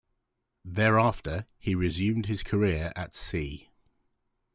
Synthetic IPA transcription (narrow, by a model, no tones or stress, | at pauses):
ðɛːɹɑˑftəhiɹɪzjʉ̃ːmd̥̚hɪz̥kʰəɹɪəɹʔə̰tsiː